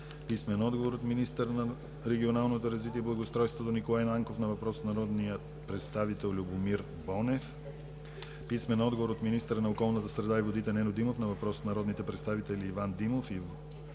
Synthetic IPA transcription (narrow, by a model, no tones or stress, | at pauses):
pismɛnɔd̪ɡovoɾot̪minist̪əɾnɐ | ɾɛɡʲionalˠnot̪oɾɐzvit̪iɛblˠɐɡost̪ɾɔjst̪vot̪onikolˠajnˠaŋkofnɐvɐpɾɔsət̪nɐɾɔd̪nijə | pɾɛt̪st̪avit̪ɛlˠlʲubomiɾ | bɔnɛf | pismɛnɔd̪ɡovoɾot̪minist̪əɾənɐokɔlˠnət̪əsɾɛd̪aivod̪it̪ɛnɛnod̪imofnɐvɐpɾɔsət̪nɐɾɔd̪nit̪ɛpɾɛt̪st̪avit̪ɛliːvand̪imofi